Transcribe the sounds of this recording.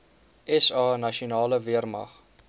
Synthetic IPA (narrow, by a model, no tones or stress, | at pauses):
ʔɛsɑːnɐʃionɑːləviərmɐ̰χ